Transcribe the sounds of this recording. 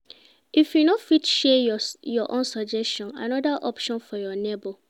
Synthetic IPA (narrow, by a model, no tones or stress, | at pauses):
ifjunofitʃɛjɔʔõnsɔd͡ʒɛstɔ̃nã̰nɔdaʔɔpʃɔ̃nfɔjɔnebo